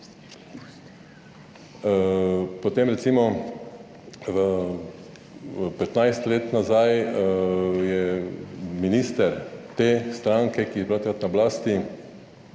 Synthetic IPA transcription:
pɔt̪eːmɾɛt̪simɔ | pɛt̪najst̪leːt̪nazaj | jɛ | minist̪ɛɾt̪eːst̪ɾaŋkɛkiɛpɾat̪kɾat̪nablaːst̪i

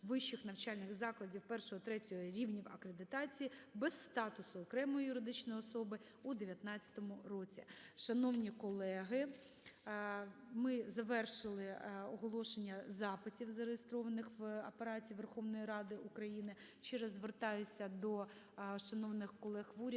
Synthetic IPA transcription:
ʋɪʃːɪxnɐwt͡ʃɑlʲnɪɣzɑklˠɐdʲiwpɛrʃɔɦɔt̪ɾɛtʲɔɦɔɾʲiwnʲiwɐkɾed̪ɪt̪ɑt͡sʲijibɛsːt̪ɑt̪ʊsʊɔkɾɛmɔjijʊɾɪd̪ɪt͡ʃnɔjɔsɔbɪ | ud̪eʋʲjɐt̪nɑt͡st͡sʲːɐ̥t̪ɔmʊrɔt͡sʲḭʃɐnɔwnʲikɔlˠɛɦɪ | mɪzɐʋɛrʃɪlˠɪɔɦɔlˠɔʃenʲːɐzɑpɪtʲiwzɐɾejɪst̪ɾɔʋɐnɪxʋɐpeɾɑtʲiːʋerxɔʋnɔjiɾɑd̪ɪʔukɾɐjinɪ | t͡ʃɛɾɐzʋert̪ɑjʊsʲɐd̪ɔ | ʃɐnɔwnɪxkɔlˠɛxʋuɾʲ

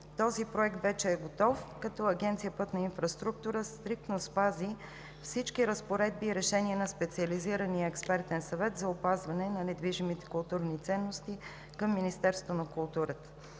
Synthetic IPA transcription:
t̪ɔzipɾoɛk̚t̪vɛt͡ʃɛːɡot̪ɔfkɐt̪ɔɐɡɛnt̪sijəpɤt̪nɐinfɾɐst̪ɾuk̚t̪uɾəst̪ɾik̚t̪nospazi | fsit͡ʃkiɾəspoɾɛd̪̚biːɾɛʃɛniɛnɐspɛt̪siɐliziɾəniəɛkspɛɾt̪ɛnsɐvɛt̪zɐʊpazvɐnɛnɐnɛd̪viʒimit̪ɛ̥kʊlˠt̪uɾnit̪sɛnːost̪i | kɤmːinist̪ɛɾst̪vonɐkulˠt̪uɾət̪ə̥

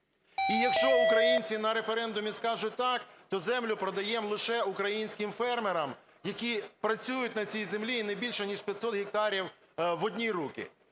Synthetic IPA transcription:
ijɐkʃt͡ʃɔʊkɾɐjinʲt͡sʲinɐɾe̞feɾɛnd̪ʊmʲiskɑʒʊt̚ʲt̪ɑkt̪ɔzɛmlʲʊpɾɔd̪ɐjɛmlˠɪʃɛʊkɾɐjinʲsʲkɪmfɛrmeɾɐm | jɐkʲipɾɐt͡sʲujʊt̚ʲnɐt͡sʲijzemlʲinɛbʲilʲʃɛnʲiʒpʲjɐt̪ʲsɔt̪ɦʲik̚t̪ɑɾʲiw | ʋɔdʲnʲijɾukɪ̰

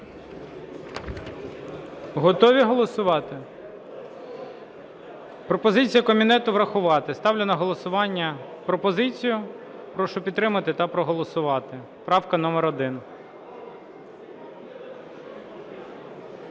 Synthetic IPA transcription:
ɦɔt̪ɔʋʲiɦɔlˠɔsʊʋɑt̪ɪ | pɾɔpɔzɪt͡sʲijɐkɔmʲinɛt̪ʊʋɾɐxʊʋɑt̪ɪst̪ɑwlʲenɐɦɔlˠɔsʊʋɑnʲːɐ | pɾɔpɔzɪt͡sʲijʊ | pɾɔʃɔpʲd̪t̪ːɾɪmɐt̪ɪt̪ɐpɾɔɦɔlˠɔsʊʋɑt̪ɪ | pɾɑwkɐnɔmɛɾɔd̪ɪn

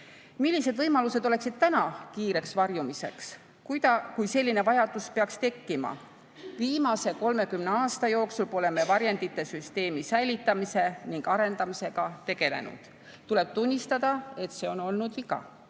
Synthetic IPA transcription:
milʲːise̞d̪vɤjmɑluse̞d̪o̞le̞ksid̪̥t̪ænɑkiːɾe̞ksvɑrjumise̞̰ks | k̪ɑkujse̞lʲːine̞vɑjɑd̪̥uspe̞ɑkst̪e̞kːimɑ̰ | viːmɑse̞ko̞lme̞kymneɑːst̪ɑjo̞ːksulpo̞le̞me̞vɑɾjɑnd̪it̪ːˑe̞syst̪e̞ːmisæjlʲit̪ːˑɑmise̞niŋɡ̥ɑɾe̞nd̪̥ɑmise̞ɡ̥ɑt̪e̞ɡ̥e̞le̞̰nṵd̪̥ | t̪ule̞b̥̚t̪unʲːist̪ɑd̪̥ɑe̞t̪se̞o̞no̞lnud̪vikɑ̰

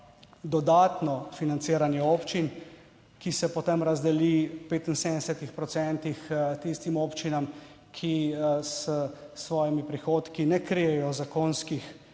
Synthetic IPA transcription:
d̪ɔd̪aːt̪nɔfinant̪siːɾanjɛoːpt͡ʃin | kisɛpɔt̪emɾazd̪ɛlipeːt̪insend̪ɛsɛt̪ixpɾɔt̪sɛnt̪ixt̪ist̪imoːpt͡ʃinam | kʰisəsʋɔːjimipɾixoːt̪kinɛkɾijɛjɔzakoːnskix

